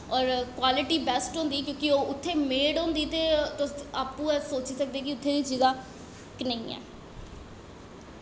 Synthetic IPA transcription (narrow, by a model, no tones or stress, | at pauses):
ɔːɾkwaːlɪʈiːbɛːsʈɦõːnd̪iːkjõːkɪoːʊt̪ʰːeːmeːɽɦõːnd̪iːt̪eːt̪ʊaːpũːsoːt͡ʃiːsək̚d̪eːkɪʊt̪ʰːeːd̪iːt͡ʃiːzaː | knəĩːɛ̰ː